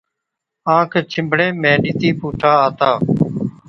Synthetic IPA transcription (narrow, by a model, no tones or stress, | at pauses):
ãːkʰt͡ʃʰɪ̃mbʱɽẽːmẽːniːt̪iːpuːʈʰaːaːt̪aː